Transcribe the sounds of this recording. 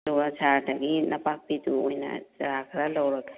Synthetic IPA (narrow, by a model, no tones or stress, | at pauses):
lubasaɾdɐɡinɐpak̚piduojnɐ̰d͡ʒɐɾakʰɾalawɾɐk